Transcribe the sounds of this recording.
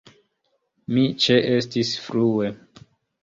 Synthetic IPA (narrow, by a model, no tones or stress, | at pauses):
mit͡ʃeʔestisfɾue